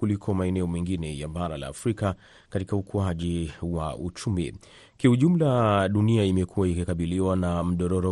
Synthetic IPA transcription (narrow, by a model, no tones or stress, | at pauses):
kulikʰɔmaɛnɛɔmɛŋɡinɛjaɓaɾala̰ːfɾika | katikaukuaʄiwa̰ʔut͡ʃumi | kiuʄum̩laɗuniaimɛkʰuwaikikaɓiliwanam̩ɗɔɾɔɾɔ